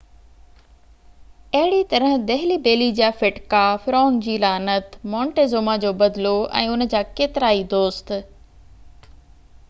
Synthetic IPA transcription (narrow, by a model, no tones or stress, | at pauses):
ɐɦɪɽit̪ɐɾəɦd̪ɐɦɪlibeːlid͡ʑaːfɪʈkafɪɾɔ̃ːŋd͡ʑiːlaːnət̪mɔ̃ːɳʈeːzoːmad͡ʑoːbɐd̪ɪloʔɛ̰̃ːʊnə̆d͡ʑaːkeːt̪ɪɾaːid̪oːst̪